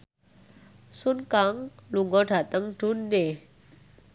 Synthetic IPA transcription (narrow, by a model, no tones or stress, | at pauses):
sunkaŋluŋɡɔɖ̥ä̤t̪əŋɖ̥ṳnːe